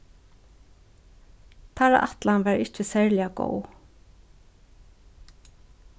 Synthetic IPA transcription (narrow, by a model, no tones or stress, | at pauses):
t̪ʰaɾa̰ʔa̰t̪lanʋɛɹɪht͡ʃɪsɛɹlɪaɡo̰w